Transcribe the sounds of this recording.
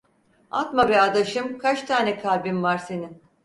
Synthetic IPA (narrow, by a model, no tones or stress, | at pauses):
a̰t̪mavɛad̪aʃɯmkʰat͡ʃt̪ʰaːnɛkʰalʲbimvaɾse̞nim